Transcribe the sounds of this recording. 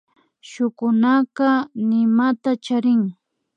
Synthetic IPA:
ʃʊkʊnaqɑnɪmat̪at͡ʃaɾɪŋ

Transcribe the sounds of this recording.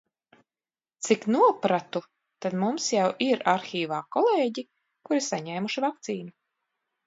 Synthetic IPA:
t̪siknuɔpɾat̪u | t̪ad̪mumsjawʔiɾaɾxʲiːvaːkɔlˠeːɟi | kuɾisaɲɛːmuʃivakt̪siːnu

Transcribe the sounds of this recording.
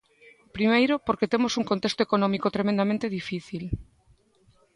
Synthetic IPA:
pɾimejɾopoɾket̪emosuŋkont̪est̪oekonõmikot̪ɾemẽnd̪amẽnt̪eðifiθil

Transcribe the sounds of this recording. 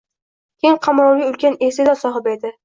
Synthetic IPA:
kʲejɪŋqʰɑmɾɒwiʊlkʲanesɪd̪asɒɦɪpe̞d̪ɪ

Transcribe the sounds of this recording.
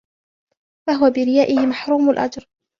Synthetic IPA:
faɦʊwabɪɾɪjaːʔɪhɪmaħɾuːmʊlʔa̰d͡ʒɾˤ

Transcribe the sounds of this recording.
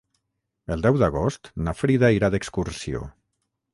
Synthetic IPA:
əld̪ɛwðaɣ̞ost̪nafɾiðaiɾaðekskuɾsio̰

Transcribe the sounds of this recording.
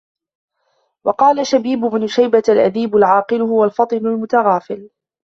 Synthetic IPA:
wɑqɑːlaʃabiːbʊbnʊʃajbaalʔaðiːbʊlʕɑːqɨlʊhʊwalfɑt̪ˤɨnʊlmʊt̪aɣɑːfɪl

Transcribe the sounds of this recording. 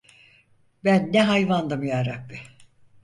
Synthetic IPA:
bænːɛɦajvand̪amɯjaɾak̚bi

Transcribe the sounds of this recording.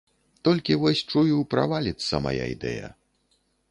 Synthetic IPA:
t̪ɔlʲkʲivɔsʲt͡ʂujupɾa̰valʲit̪sːɐma̰ja̰id̪ɛjɐ̰

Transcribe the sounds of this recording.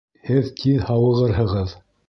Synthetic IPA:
hɘðt̪ʰiðhɑwɤ̆ʁɤɾɦɤ̆ʁɤð

